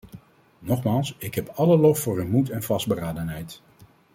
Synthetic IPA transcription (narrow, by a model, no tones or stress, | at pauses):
nɔχmaːlˠsɪkɦɛpɑləlɔfːʊːɹynmutɛnvɑsd̚bəraːdənɦɛjt